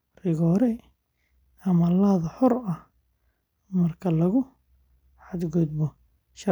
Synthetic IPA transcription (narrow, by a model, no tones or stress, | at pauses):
rɪɣɔːɾɛj | ɐmɐlaðɐħɔrɐ | mɐrkʰɐlɐɣʊ | ħad̪ɡʊd̪̚bɔ | ʃɐ